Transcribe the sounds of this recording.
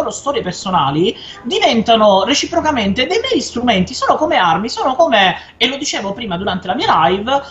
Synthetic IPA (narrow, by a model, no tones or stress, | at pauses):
oːɾost̪ɔːɾjepersona̰ːli | d̪ivɛnt̪anoret͡ʃipɾokament̪ed̪ejmɛːjist̪ɾument̪isoːnokomearmisoːnokoːme | elod̪it͡ʃeːvopɾiːmad̪uɾant̪elamiːalajv